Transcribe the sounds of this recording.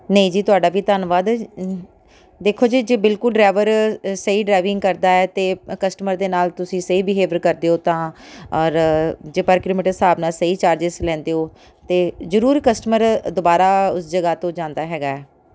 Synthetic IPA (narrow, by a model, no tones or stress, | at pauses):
nəĩːd͡ʒiːt̪ʊaːɖaːʋiːt̪ənʋaːd̪ | d̪eːkʰːoːd͡ʒiːd͡ʒeːbɪlkʊlɖɾaːʋəɾsəiːɖaːɪʋɪ̃ŋɡkəɾd̪aːɛːt̪eːkəsʈəməɾd̪eːnaːlt̪ʊsĩːsəiːbɪɦeːʋəɾkəɾd̪eːoːt̪ãːɔːɾd͡ʒeːpəɾkɪlɪmɪʈəsaːbnaːsəiːt͡ʃaːɾd͡ʒɪslɛ̃ːnd̪eːoː | t̪eːzəɾuːɾkəsʈməɾd̪obaːɾaːʊsd͡ʒəɡaːt̪õːd͡ʒãːnd̪aːɦɛːɡaːɛː